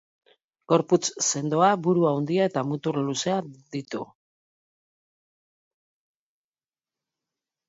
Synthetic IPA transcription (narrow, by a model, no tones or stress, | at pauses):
ɡ̥o̞ɾput͡sse̞nd̪o̞abuɾuawnd̪iae̞t̪amut̪uɾluse̞ad̪it̪ṵ